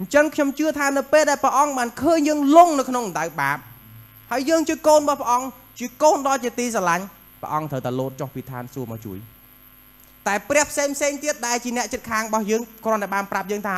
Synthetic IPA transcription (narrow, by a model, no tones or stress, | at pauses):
ɲt͡ɕəŋkʰɲomt͡ɕɨət̪ʰaːnɨwpeːlɗaɛlprɛə̆ʔɑŋɓaːnkʰəːɲjəːŋloŋnɨwkʰnoŋnɗawɓaːp̚ | haəjːəːŋt͡ɕiəkoːnɓɑhpʰɛ̆ʔɑŋ | t͡ɕiəkoːnɗɑːlt͡ɕiət̪iːs̬alaɲ | pə̆ʔɑŋt̪ʰəwt̪aɛloːt̪̚t͡ɕohpiːt̪ʰa̰ːnsuəma̰ːt͡ɕṵəj | t̪aɛprɛ̆əhpʰseːŋpʰseːŋt̪iət̪̚ɗaɛlt͡ɕiənɛ̆əʔt͡ɕət̪̚kʰaːŋrɔɓɑhjəːŋkrŏənt̪aɛɓaːnprap̚jəːŋt̪ʰaː